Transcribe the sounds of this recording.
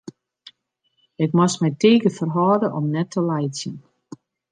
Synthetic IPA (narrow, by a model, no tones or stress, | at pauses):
ɪkmasmɛjtʰiːkəfərɦɔːdəʔɔmnɛtʰːəlɛjtsjən